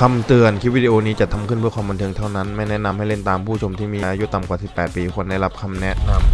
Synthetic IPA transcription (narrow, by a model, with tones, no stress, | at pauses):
kʰa˧mt̪ɯ˨˧ənkʰiː˦˥wiː˥di˧ʔoː˧niː˦˥t͡ɕa˨˩t̪ʰa˧mkʰɯ˥˩npʰkʰwaː˧mba˧nt̪ʰɤ˧ŋt̪ʰa˥˩wna˦˥nma˥˩jnɛ˦˥na˧mha˥˩jle˥˩nt̪aː˧mpʰuː˥˩t͡ɕʰo˧mt̪ʰiː˥˩miː˧ʔa˧ʔaː˧ju˦˥t̪a˨˩mkwaː˨˩si˨˩pːɛː˨˩t̪̚piː˧kʰu˧ənda˥˩jla˦˥p̚kʰa˧mnɛ˦˥ʔna˧m